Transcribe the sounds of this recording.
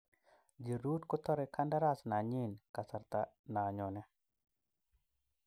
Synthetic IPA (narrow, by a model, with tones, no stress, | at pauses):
d͡ʒi˨ɾu˦tkɔ˦t̪ɔ˦ɾɛ˨kʰa˦nda˦ɾa˦˨sna˨ɲi˦nka˨sa˨ɾt̪ana˨ɲɔ˨nɛ˦